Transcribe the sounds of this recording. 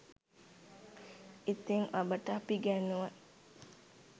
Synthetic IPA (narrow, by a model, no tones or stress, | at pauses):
it̪iŋʋabəʈəapiɡænuʋə